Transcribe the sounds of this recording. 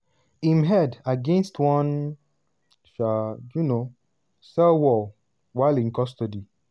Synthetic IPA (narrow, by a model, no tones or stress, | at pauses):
ĩmɦɛdaɡẽnstwɔ̃n | ʃajuno | sɛlwɔ | waɪlĩnkɔstɔdi